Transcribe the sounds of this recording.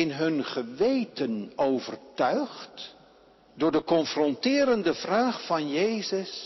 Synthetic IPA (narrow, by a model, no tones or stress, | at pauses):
ɪnɦɵnχəʋejtənowvərtœɥχt | dʊːɹdəkɔnfrɔntɪːɾəndəvraːχfɑnjejzəs